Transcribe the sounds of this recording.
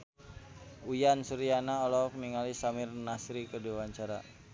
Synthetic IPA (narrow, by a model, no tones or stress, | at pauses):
ujansuɾianaɔlɔk̚niŋalisamɪrnasɾikəduawaɲt͡ʃaɾa̰